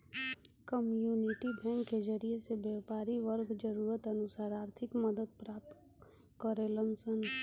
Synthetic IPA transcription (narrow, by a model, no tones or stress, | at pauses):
kəmjuːnɪʈibʱɛ̃ːŋkːed͡ʒəɾiesebjɛːpaːɾiʋəɾɡd͡ʒɐɾuːɾət̪ɐnʊsaːɾaːɾt̪ʰɪkməd̪əd̪̚pɾaːp̚t̪ | kəɾelə̃msən